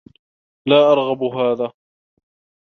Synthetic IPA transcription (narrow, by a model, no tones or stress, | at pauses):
laːʔɑɾˤɣɑbʊɦaːðaː